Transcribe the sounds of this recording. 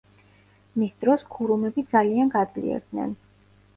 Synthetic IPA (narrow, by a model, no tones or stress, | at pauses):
misd̪ɾɔskʰuɾumɛbid̪zalianɡad̪zlḭɛ̰ɾd̪nɛ̰n